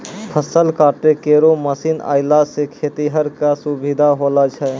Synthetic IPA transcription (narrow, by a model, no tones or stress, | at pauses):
pʰəsəlkaːʈekeːɾoməsiːna̰ːɪlasekʰeːt̪iɦəɾkasubid̪ʱaɦolat͡ʃʰɛ